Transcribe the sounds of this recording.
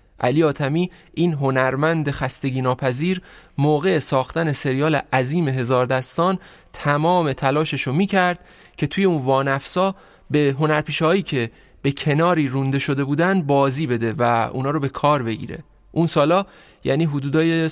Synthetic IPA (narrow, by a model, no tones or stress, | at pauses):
ʔæ̰liːɒːt̪ʰæmiː | ʔiːnɦo̞næɾmænd̪e̞xæst̪e̞ɟiːnɒːpʰæziːɾmoːɣe̞sɒːxt̪æne̞se̞ɾijɒːleʔæziːme̞ɦe̞zɒːɾd̪æst̪ɒːn | t̪ʰæmɒːme̞t̪ʰælɒːʃeʃomiːcʰæɾd̪̥̚ | cʰe̞t̪ʰuːjeuːnvɒːnæfsɒː | beɦo̞næɾpʰiːʃhɒːiːcʰe̞ | b̥e̞cʰe̞nɒːɾiːɾund̪e̞ʃo̞d̪e̞buːd̪ænd̪̚bɒːziːbe̞d̪e̞væṵːnɒːɾobe̞kʰɒːɾbe̞ɟḭːɾe̞̰ | ʔunsɒːlɒː | jæ̰ːniːɦud̪uːd̪ɒːje